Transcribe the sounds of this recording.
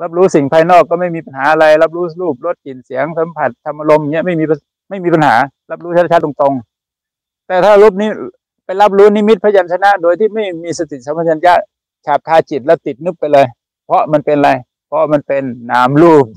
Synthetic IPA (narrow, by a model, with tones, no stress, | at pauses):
la˦˥p̬̚ɾuː˦˥si˨˩ŋpʰaː˧jnɔː˥˩kːɔː˧˩ma˥˩jmiː˧pa˧nhaː˩˦ʔa˧la˧jla˦˥˩p̚ɾuː˦˥luː˥˩p̚lo˧˥˩t̪̚ki˨˩nsi˨˩˦əŋsa˨˦mpʰa˨˩t̪̚t̪ʰa˧mʔa˧lo˧mŋi˦˥əma˥˩jmiː˧pa˧ | ma˥˩jmiː˧p̬a˧nha̰ː˩˦la˦˥p̚ɾu˦˥˧a˧a˦˥t̪ːo˧ŋt̪o˧ŋ | t̪ɛː˨˩t̪ʰaː˥˧˩luː˥˩p̚ni˦˥ | pa˧jla˦˥p̬̚luː˦˥ni˧˥˨mi˦˥t̪̚pʰa˧˥ja˧˨ntʰa˧na˧˥ʔdoː˧jt̪ʰiː˥˩ma˥˩jmiː˧sa˧t̪ʰi˨˩sa˨˦mpʰa˧˩a˧njaː˧˥˩ | t͡ɕʰaː˨˩p̚t̪ʰaː˧t͡ɕi˨˩t̪̚lɛ˦˥t̪i˨˩t̪̚nɯ˧˥˩p̚pːa˧jlɤː˧j | pʰɔ˧ʔma˧npe˧na˧la˧j | pʰɔ˧˥ʔma˧npe˧nːaː˨˦mluː˥˩p̚